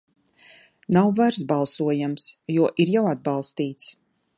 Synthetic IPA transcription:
nawvaɾsbalˠsuɔjamsjuɔʔiɾjawad̪̚bɑlˠst̪iːt̪s

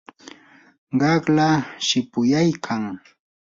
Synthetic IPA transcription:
ɢɑklaʃɪpʊjajkʰaŋ

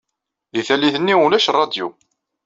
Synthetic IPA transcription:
iθælːiθənːiʊlæʃrˤːɑd̪jṵ

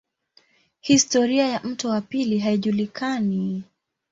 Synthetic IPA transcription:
histɔɾiajam̩tɔwapiliɦaiʄulikani

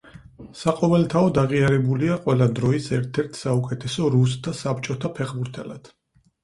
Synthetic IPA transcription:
saqʼɔvɛlt̪ʰaɔd̪aʁiaɾɛbuliaqʼwɛlad̪ɾɔisɛɾt̪ʰɛɾt̪ʰsaukʼɛt̪ʰɛsɔɾusd̪asapʰt͡ʃʼɔt̪ʰapʰɛχbuɾt̪ʰɛlad̪̥

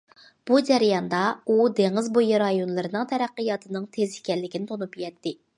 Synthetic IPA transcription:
b̥ud͡ʒɛɾijɑnd̪ɑud̪eŋɪzbojɨɾɑjonlˠɨɾɨnɨŋt̪ʰɛɾæqːəjɑt̪ʰɨnɨŋt̪ʰezɪkʲɛlːɪkʲinɪt̪ʰonupjɛt̪ʰːɪ

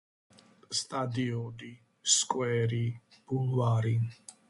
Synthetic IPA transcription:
st̪ʼad̪iɔd̪i | skʼwɛːɾib̥ulvaːɾi

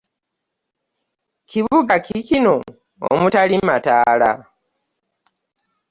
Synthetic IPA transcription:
kiβuɡakʰikino̞ | o̰mutalimataːla̰

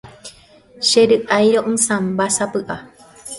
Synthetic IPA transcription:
ʃeɾɨʔajɾoʔɨ̃sãmbasapɨʔa

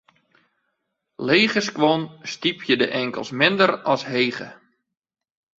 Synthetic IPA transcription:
leːχəskʋonstipʰjədəʔɛŋkə̰lˠsmɪndərɔsɦejχə̰

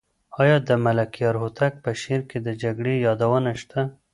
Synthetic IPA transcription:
ɑjɑd̪əmalakijɑɾɦot̪ak̚pəʃeɾked̪əd͡ʒaɡɽejɑd̪awənaʃt̪ʰa

